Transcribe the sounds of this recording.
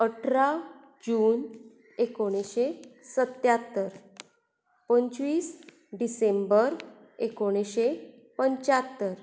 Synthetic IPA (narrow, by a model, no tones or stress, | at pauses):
əʈʰɾa | d͡ʑuːn | ekoɽ̃eɕesət̪jat̪ːəɾ | pəɲt͡ɕʋiːs | ɖisẽmbəɾ | ekoɽ̃eɕe | pəɲt͡ɕat̪ːəɾ